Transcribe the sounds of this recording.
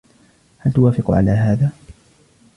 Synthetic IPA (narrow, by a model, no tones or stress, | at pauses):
halt̪ʊwaːfɪqʕa̰laːɦaːðaː